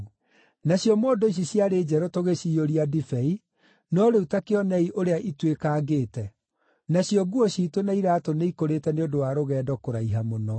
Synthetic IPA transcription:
naɕjɔmoːdoiɕ̬iɕjaɾeːd͡ʒɛɾotoɣeɕiːoɾiadifɛi | nɔɾeutakeɔnɛiʔoɾeaʔitwekaːɡeːtɛ | naɕjɔɡuɔɕiːtonaiɾaːtoneikoɾetɛneodowaɾoɣɛːdɔkoɾaiɦamonɔ

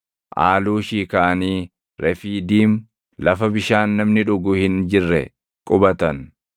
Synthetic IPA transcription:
ʔaːluːʃiːkaʔɐniː | ɾʔɛfiːd̪iːm | lɐfɐbɪʃaːnːɐmnɪᶑʊɡʊhɪnd͡ʒɪrːɛ̰ | kʼʊbɐt̪ɐn

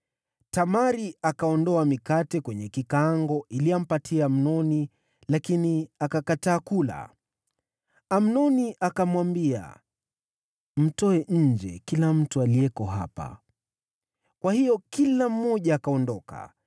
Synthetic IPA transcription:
tamaɾiakaɔndɔamikatɛkwɛɲɛkikaaŋɡɔʔiliam̩patʰiam̩nɔni | lakiniakakataːkula̰ | am̩nɔniʔakamwambia̰ | m̩tɔɛʔɲ̩d͡ʒɛ̰kilam̩tualiɛkɔɦa̰pa̰ | kwahijɔkilam̩ːɔʄaːkaɔndɔka̰

